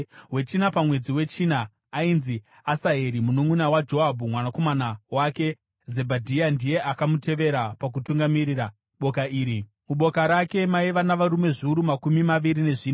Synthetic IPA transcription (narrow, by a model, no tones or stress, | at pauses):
we̞t͡ʃinapamwe̞d͡ziwe̞t͡ʃinaː | inzi | asaɦe̞ɾimunomunawad͡ʒo̞ɦabʱumwanako̞manawake̞ | ze̞bʱadʱijandije̞ʔakamute̞ʋe̞ɾapak̬utuŋɡamiɾira | ɓo̞kaiːɾi | muɓo̞kaɾake̞maiʋanaʋaɾume̞ʐiuɾumakumimaʋiɾine̞ʐiːna